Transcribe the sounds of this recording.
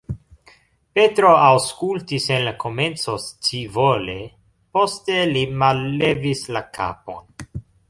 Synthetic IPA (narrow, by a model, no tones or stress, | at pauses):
pe̞tɾo̞awskultisenlako̞me̞nt͡so̞st͡sivole̞ | po̞ste̞limalːevislakʰa̰po̞̰n